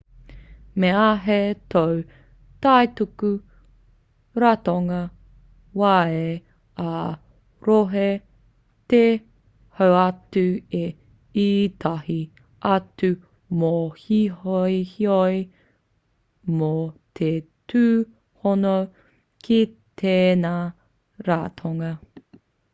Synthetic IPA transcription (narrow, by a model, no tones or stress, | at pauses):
meaɦet̪ow | t̪ajt̪uku | ɾat̪oŋɐ | wae | a | ɾoɦe | t̪e | howɐtʉe | itʰahi | ʔɐtʉ | mohiɦojhioj | mot̪ʰetʰʉː | hono | kʰi | t̪ʰeːna | ɾat̪ʰoŋɐ